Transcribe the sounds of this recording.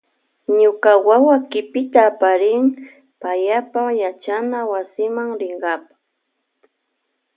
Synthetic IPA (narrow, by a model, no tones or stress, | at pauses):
ɲʊkawawakɪpɪt̪aːpaɾɪŋ | pajapajat͡ʃanawasɪmaŋɾɪŋɢɑpḁ